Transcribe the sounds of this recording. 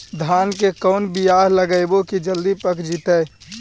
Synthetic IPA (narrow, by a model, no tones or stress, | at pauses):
d̪ʱaːnkekɔːʊnbijaːɦləɡəɪbokid͡ʒəld̪ipəkd͡ʒit̪ɛː